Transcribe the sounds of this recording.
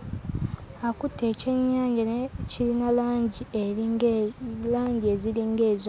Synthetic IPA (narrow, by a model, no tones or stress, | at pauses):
akutʰːeːceɲːaːɲɟanecʰilinalaːɲɟie | laːɲɟie̞ziliŋɡe̞ːzo